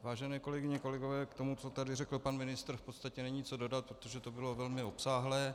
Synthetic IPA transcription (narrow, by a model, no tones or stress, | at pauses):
vaːʒɛnɛːko̞lɛɡɪɲɛko̞lɛɡo̞vɛːkt̪o̞mut͡so̞t̪adɪrɛkl̩panmɪnɪst̪r̩fpot̪st̪acɛnɛɲiːt͡so̞do̞dat̪̚pɾot̪oʒɛt̪o̞bɪlo̞vɛlmɪo̞psaːɦlɛː